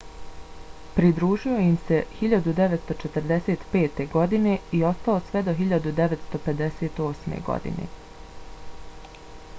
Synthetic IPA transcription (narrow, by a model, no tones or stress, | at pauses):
pɾid̪ɾuːʒio̞jimse̞hiʎad̪ud̪eʋet̪st̪o̞t͡ʃet̪əɾd̪eseːt̪pe̞ːt̪e̞ɡo̞d̪ine̞io̞st̪alosʋɛd̪o̞ɦiʎad̪ud̪eʋet̪st̪o̞pe̞d̪eseːt̪o̞ːsmḛɡo̰d̪ḭnḛ